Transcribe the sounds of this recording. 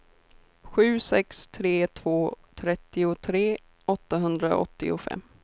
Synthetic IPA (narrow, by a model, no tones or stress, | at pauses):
ɧʉ̟ːsɛkst̪ʰɾeːt̪ʰv̥oːt̪ʰɾɛt̪ːɪʊt̪ʰɾeː | ɔt̪ːaɦɵnd̪ɾaɔ̰t̪ːɪ̰ʊ̰fɛ̰mː